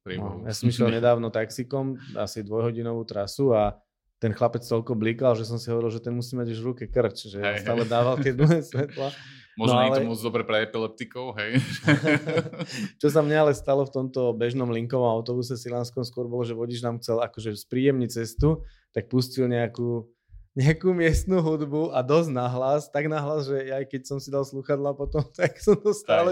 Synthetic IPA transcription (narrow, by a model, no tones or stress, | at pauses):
ɾḭnɔ̰jasɔmiʃlɛlɲɛd̪aːʊnɔt̪aksikɔma̰sid̪ʋɔjɦɔɟinɔʋuːt̪ɾasua | t̪ɛnxlapɛt͡st̪ɔlkɔbliːkalʒɛs̬ɔmsiɦɔʋɔɾilʒɛt̪ɛnmusiːmaɟuʒʋɾukɛkr̩t͡ʃʒɛst̪aːlɛd̪aːʋalt̪ɪɛd̪luɦɛːsʋɛt̪la | mɔnɔalɛmɔd̪ɔbɾɛpɾɛɛpilɛp̚t̪ikɔʊɦɛj | t͡ʃɔs̬amɲɛalɛst̪alɔft̪ɔmt̪ɔbɛʒnɔmliŋkɔʋɔmaʊt̪ɔbus̬ɛsilanskɔmskʊɔɾbɔlɔʒɛʋɔɟid͡ʒnaːmxt͡sɛlakɔʒɛspɾiːjɛmɲit͡sɛst̪u | t̪ak̚puscilɲɛakuː | ɲɛakuːmɪɛst̪nuɦud̪buʔad̪ɔznaɦlast̪aɡnaɦlazʒɛjajkɛcsɔmsid̪alsluxad̪lapɔt̪ɔmt̪aksɔmt̪ɔst̪aːlɛ